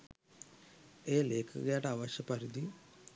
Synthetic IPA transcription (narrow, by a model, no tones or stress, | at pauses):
eːleːkʰṵɣɐjaːʈaːʋɐɕjɐpɐɾid̪i